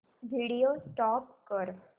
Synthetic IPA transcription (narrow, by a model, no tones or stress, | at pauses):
ʋʱiɽijosʈɔp̚kəɾ